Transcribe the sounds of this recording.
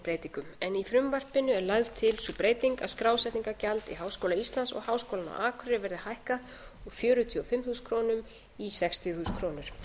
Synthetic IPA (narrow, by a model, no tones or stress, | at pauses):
pɾeːjt̪iŋkʏmɛnifɾʏmvar̥pɪnːʏɛɾlaɣðt̪ʰɪlsupɾeːjt̪iŋkaskɾaːwsɛht̪niŋkacalt̪ḭɦaːwskowlaist̪lansɔ̰ɣhaːwskowlana̰wʔaːkʰɾʏɾɪvɛɾðɪhajhka | ɔɣfjœːɾʏt̪ʰiɔfɪmθuskʰɾoːnʏm | isɛkst̪ʰɪθuːskʰɾoːnʏɾ̥